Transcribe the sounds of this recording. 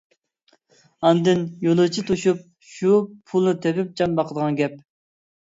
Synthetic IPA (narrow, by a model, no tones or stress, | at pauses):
ɑnd̪ɨnjolˠɨt͡ʃʰit̪ʰuʃup̚ | ʃupʰulˠnɨt̪ʰɛpɪp̚d͡ʒɑnbɑqʰəd̪əʁɑnɡʲɛp̚